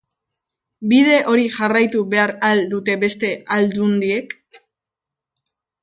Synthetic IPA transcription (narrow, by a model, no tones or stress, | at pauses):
bið̞e̞ʔo̞ɾiʝarajt̪uβe̞aɾald̪ut̪e̞βe̞st̪e̞ald̪und̪ie̞k